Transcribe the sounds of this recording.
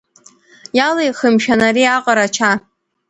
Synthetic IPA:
jalajχəmʃᶣanaɾiaqʼaɾat͡ʃʰa

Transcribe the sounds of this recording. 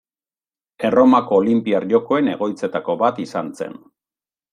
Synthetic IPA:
e̞ro̞mako̞ːlimpiaɾʝo̞ko̞e̞ne̞ɣ̞o̞jt͡se̞t̪ako̞βat̪isanse̞̰n

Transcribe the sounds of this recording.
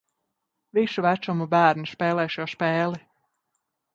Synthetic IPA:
visuvæt͡ʃɔmubæːɾnispɛːlˠɛːʃjɔspɛːli

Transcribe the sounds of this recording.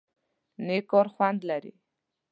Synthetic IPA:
nekɔɾχwand̪laɾḭ

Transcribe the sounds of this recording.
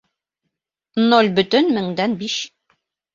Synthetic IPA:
nolʲbɵ̆t̪ɵnmɘ̆ŋd̪ænbiʃ

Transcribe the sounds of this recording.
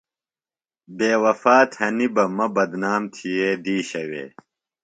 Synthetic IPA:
beːwɐfaːt̪hɐnibɐmɐbɐd̪naːmt̪ʰijeːd̪iːɕɐwḛː

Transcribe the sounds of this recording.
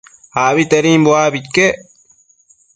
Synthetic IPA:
haːβit̪ɐɾĩːmboaːbit̪ke

